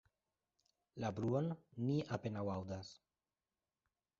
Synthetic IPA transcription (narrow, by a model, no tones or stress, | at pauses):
labɾuonːiʔapenawawd̪as